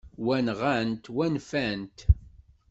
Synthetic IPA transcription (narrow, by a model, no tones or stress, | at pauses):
wænʁant̪wænfænt̪